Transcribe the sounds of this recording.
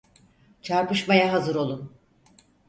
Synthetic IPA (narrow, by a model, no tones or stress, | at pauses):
t͡ʃʰaɾpɯʃmajaɦazɯɾo̞lˠun